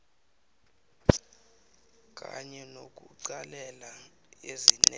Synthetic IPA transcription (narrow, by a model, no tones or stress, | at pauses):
k̬ʼa̰ɲɛnok̬ʼuǀalɛla | ezin